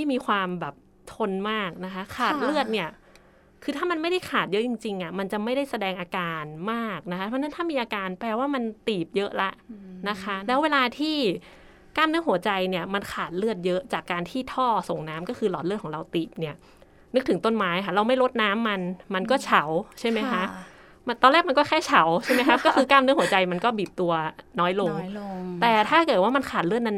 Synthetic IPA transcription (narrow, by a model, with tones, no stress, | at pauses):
tʰiː˥˩miː˧kʰwaː˧mbɛː˨˩p̚ | t̪ʰo˧nmaː˥˩k̚na˦˥kʰa˦˥kʰaː˨˩t̪̚lɯ˥˩ət̪̚ni˥˩ɐ | kʰɯː˧t̪ʰaː˥˩ma˧nma˥˩jda˥˩jkʰaː˨˩t̪̚jɤ˦˥t͡ɕi˧ŋt͡ɕi˧ŋʔi˩ma˧nt͡ɕa˨˩ma˥˩jda˥˩jsa˧dɛː˧ŋʔaː˧kaː˧nmaː˥˩k̚na˦˥kʰa˦˥pʰɔ˧˥na˦˥nt̪ʰaː˥˩miː˧ʔaː˧kaː˧npɛː˧waː˥˩ma˧nt̪iː˨˩p̚jɤ˦˥ʔla˦˥ʔna˦˥kʰa˦˥ʔlɛː˦˥weː˧laː˧t̪ʰiː˥˩ | kaː˧mnɯ˦˥ɦu˩˦ɐt͡ɕa˧jni˥˩ɐma˧nkʰaː˨˩t̪̚lɯ˥˩ət̪̚jɤ˦˥ʔt͡ɕaː˨˩kːaː˧nt̪ʰiː˥˩t̪ʰɔː˥˩so˨˩ŋnaː˦˥mkɔː˥˩kʰɯː˧lɔː˨˩t̪lɯ˥˩ɔː˩˦ŋɾa˧wt̪iː˨˩p̚ni˥˩ɐ | nɯ˦˥k̚t̪ʰɯ˩˦ŋt̪o˥˩nmaː˦˥ja˧kʰa˥ɾa˧wma˥˩jɾo˦˥t̪̚naː˦˥mːa˧nma˧nkɔː˥˩t͡ɕʰa˨˦˩wt͡ɕʰa˥˩jma˦˥jkʰa˦˥ʔ | m˧t̪ɔː˧nlɛː˥˩ma˧nkɔː˥˩kʰɛː˥˩t͡ɕʰa˨˦wt͡ɕʰa˥˩jma˦˥jkʰa˦˥kɔː˥˩kʰɯː˧kaː˥˩mnɯ˦˥ŋhu˩˦ɐ˦t͡ɕa˧jma˧nkɔː˥˩biː˨˩p̚t̪u˧ɐnɔː˦˥jlo˧ŋt̪ɛː˨˩t̪ʰaː˥˩kɤː˨˩t̪̚waː˥˩ma˧nkʰaː˨˩t̪̚lɯ˥˩ət̪̚na˧˥n